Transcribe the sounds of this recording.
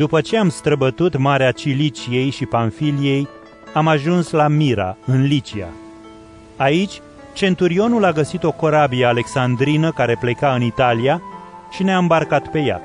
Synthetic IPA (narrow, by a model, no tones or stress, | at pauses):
d̪upət͡ʃe̞amst̪ɾəbət̪ut̪maɾeat͡ʃilit͡ʃije̞jʃipanfilije̞j | amaʒunslamiɾa̰ɨnlit͡ʃia̰ | ait͡ʃʲ | t͡ʃe̞nt̪uɾio̞nulaɡəsit̪o̞ko̞ɾabiəale̞ksand̪ɾinəkaɾe̞ple̞kaɨnit̪alia | ʃineaɨmbarkat̪pe̞ja̰